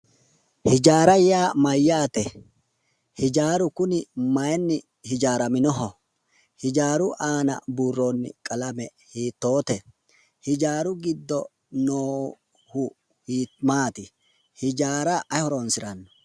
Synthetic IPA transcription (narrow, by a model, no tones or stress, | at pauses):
hɪd͡ʒaːɾɐjaːmɐjːaːt̪ɛ | hɪd͡ʒaːɾʊkʊnɪmɐjɛnːɪ | hɪd͡ʒaːɾɐmɪnɔɦɔ | hɪd͡ʒaːɾʊʔaːnɐ̰buːrːo̞ːnːɪ̰kʼɐlɐmɛ | hiːt̪ːo̞ːt̪ɛ | hɪd͡ʒaːɾʊɡɪd̪ːɔ | noː | hʊ | hiːmaːt̪ɪ | hɪd͡ʒaːɾɐʔɐhɔɾɔnsɪɾɐnːɔ̥